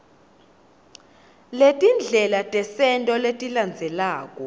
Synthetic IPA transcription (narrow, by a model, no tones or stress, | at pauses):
letʼind͡ɮʱɛlatʼɛsɛntʼɔletʼiland͡zʱɛlaːkʼɔ